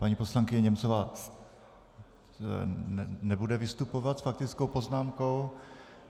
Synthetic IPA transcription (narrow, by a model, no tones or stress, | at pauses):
paɲipo̞slaŋkɪɲɛɲɛmt͡sovaː | nɛbudɛvɪst̪upo̞vat̪sfak̚t̪ɪt͡skowpo̞znaːmko̞w